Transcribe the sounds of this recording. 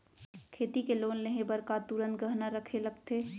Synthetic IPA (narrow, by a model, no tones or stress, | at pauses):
kʰeːt̪ikeloːnleɦẽbɐɾkat̪uɾə̃nt̪̚ɡəɦnaɾəkʰelɐɡt̪eː